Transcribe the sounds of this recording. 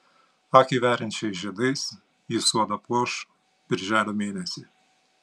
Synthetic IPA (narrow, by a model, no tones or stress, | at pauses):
ɐkʲiʋʲæːɾʲɛnʲt͡ʃʲɛɪsʒʲiɛd̪ɐɪs | jɪsuɔd̪ɐpoːʃ | b̥ʲɪɾʲʒʲæːlʲomʲeːnʲɛsʲɪ